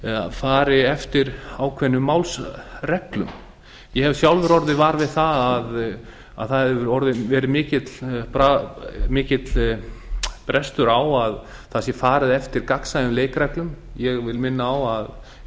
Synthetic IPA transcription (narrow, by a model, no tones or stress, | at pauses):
a̰ðfaːɾɪɛft̪ɪɾawkʰvɛnːʏmːawlsrɛklʏ̰m | jɛhɛv̥sjawlvɛɾɔɾðɪvaːɾvɪðθaðað | a̰ðθaɛvʏɾɔɾðɪvɛːɾɪmɪːcɪt̪lpɾamɪːcɪt̪l | pɾɛst̪ʏɾawað | θasjɛfaːɾɪðɛft̪ɪɾkaksajʏmleːjkɾɛklʏmjɛɣvɪlmɪnːaːwað